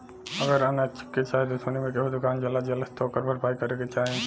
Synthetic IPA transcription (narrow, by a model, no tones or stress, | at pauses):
ɐɡəɾanat͡ʃɪ̥kːet͡ʃaːɦet̪osonimẽkeɦod̪ʊkaːnd͡ʒɐlad͡ʒɐləst̪ʰoːkəɾbʱɐɾpaːikɐɾeket͡ʃaːɦẽ